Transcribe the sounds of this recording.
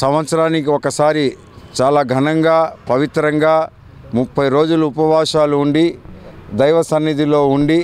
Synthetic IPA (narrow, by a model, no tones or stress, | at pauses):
sɐmʋɐt̪sɐɾaːnikiɔkɐsaːɾi | t͡ʃaːlaːɡʱɐnɐŋɡaːpɐʋit̪ɾɐŋɡaː | mupʰːɐjɾo̞ːd͡ʒuluupɐʋaːʂaːluuɳɖid̪ɐjʋɐsɐnːid̪iloːuɳɖi